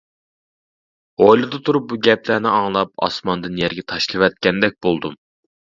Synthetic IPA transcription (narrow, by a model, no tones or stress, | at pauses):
ʁojlˠɨd̪ɨt̪ʰuɾup̚buɡʲɛplænɪɑŋlˠɑp̚ɑ̰smɑnd̪ɨnjɛɾɡʲɛt̪ʰɑʃlˠɨwɛt̪̚kʲɛnd̪ɛk̚ʲb̥olˠd̪um